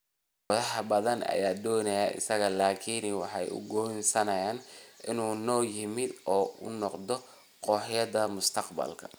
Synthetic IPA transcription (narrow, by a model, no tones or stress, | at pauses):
wɔðɐħbɐðɐnɐ̰jaːd̪ɔːnɐjɐʔɪ̰sɐɣɐlaːkʰiːnwɑħɑjʊ̰ɡɔnsɐnɐjaːnʔɪnuːnɔːjɪmɪd̪ʔɔːʔʊ̰nɔqd̪ɔ | qɔːħjɐðɐmʊst̪ʰɐqbɐ̰lkʰɐ̥